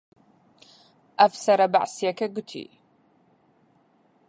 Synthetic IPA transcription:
ʔɐfsɐɾɐbaʕsijɐkʰɐɡʊt̪ʰḭ

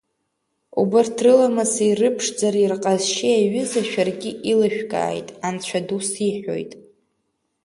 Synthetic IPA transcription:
ubɨrtʰrɨlamasirɨpʰʂd͡zaɾirqʼazʃiaɥʏzaʃᶣarɡʲɪʔilaʃᶣɡʼa̰ːjtʼant͡ɕʷʰadusiħo̞̰jtʼ

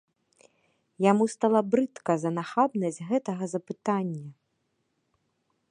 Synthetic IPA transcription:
jamust̪alˠɐbɾɨt̪kɐzɐnaxabnɐd͡zʲɣɛt̪ɐɣɐzɐpɨt̪anʲːɐ

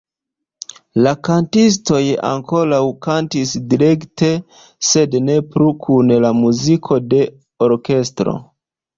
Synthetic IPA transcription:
lakantis̬to̞ja̰ŋko̞ɾawkantisdiɾe̞kte̞ | se̞dne̞pɾukʰunlamuzikʰo̞de̞ | oɾke̞stɾo̞̰

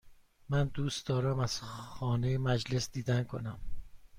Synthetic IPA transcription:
mænd̪uːst̪d̪ɒːɾæmæz̥xɒːnejemæd͡ʒle̞sd̪iːd̪ænkʰo̞̰næm

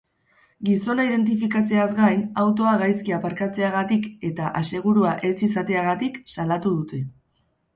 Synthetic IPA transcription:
ɡiso̞naið̞e̞nt̪̬ifikat͡se̞azɡajnawt̪̬o̞aɣajskiapaɾkat͡se̞aɣ̞at̪ike̞t̪aʔase̞ɣ̞uɾuaʔe̞t͡sisat̪e̞aɣat̪iksalat̪uð̞ut̪ʰe̞

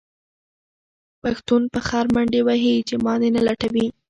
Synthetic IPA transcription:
paxt̪unpəxɑɾmaɳɖewaɦit͡ʃemɑd̪enalaʈawi

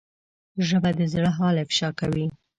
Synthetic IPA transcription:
ʒəbad̪əzɽəɦɑlefɪ̥ʃɑkawi

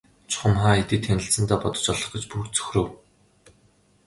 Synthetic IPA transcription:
t͡ɕʰʊ̥χə̆mχaːet̪ĭːt̪ʰːænʲɪ̆ɬt͡sɘ̆nt̪aːpɔt̪ɞ̥̆t͡ɕɔɮɞ̆χɡĕt͡ɕpurt͡sɵ̥xʲrɘ̆w

